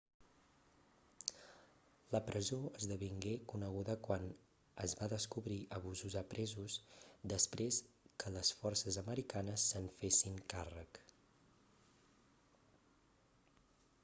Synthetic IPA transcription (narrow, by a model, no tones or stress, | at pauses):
ləpɾəzoəzðəβiŋɡekunəɣ̞uðəkwan | əzβaðəskuβɾiʔəβuzuzəpɾʔɛzuzd̪əspɾes | kələsfɔrsəzəməɾikanəsːəɱfesiŋkarək